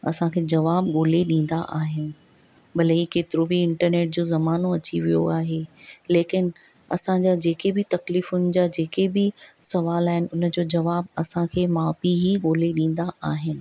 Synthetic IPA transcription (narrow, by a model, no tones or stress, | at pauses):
ɐ̰sãkʰeːd͡ʑɐʋaːb̚ɠoːleɗĩːn̆d̪aʔaːɦɪnɪ̆ | bɐleikeːt̪ɪɾobiɪ̃ɳʈəɾneːʈ̚d͡ʑoːzɐmaːnoɐt͡ɕiʋijo̰aːɦeleːkɪn | ɐ̰sãɲd͡ʑad͡ʑeːkebɪt̪ɐkliːfʊnɪ̆d͡ʑaːd͡ʑeːkebɪsɐʋaːlaːɦɪnɪ̆ʊnd͡ʑoːd͡ʑɐʋaːbɐsãkʰeːmaːfiɦiɠoːleɗĩːn̆d̪aʔaːɦɪnɪ̆